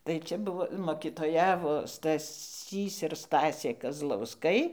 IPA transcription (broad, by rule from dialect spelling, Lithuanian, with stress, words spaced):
tɐɪ ˈt͡ʃʲɛ ˈbʊʋoː moːkʲiːtoːˈjæːʋoː stɐˈsʲiːs ɪr ˈstɑːsʲeː kɐzlˠɐʊsˈkɐɪ